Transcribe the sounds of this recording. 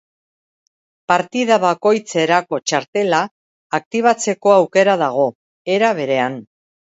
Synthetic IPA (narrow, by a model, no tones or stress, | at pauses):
paɾt̪iðaβako̞jt͡se̞ɾako̞t͡ʃaɾt̪e̞laː | k̚t̪iβ̞at͡se̞ko̞awke̞ɾað̞aɣ̞o̞ | e̞ɾaβe̞ɾe̞an